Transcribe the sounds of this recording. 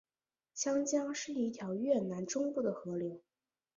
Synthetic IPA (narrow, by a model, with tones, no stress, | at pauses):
ɕjɑ˥ŋt͡ɕjɑ˥ŋʂɻ̩˥˧i˥˩t̪ʰjɑ˧˥ʊɥɛ˥˩na˧˥nʈ͡ʂʊ˥ŋpu˥˩d̪ə˩xɤ˧˥ljo˧˥ʊ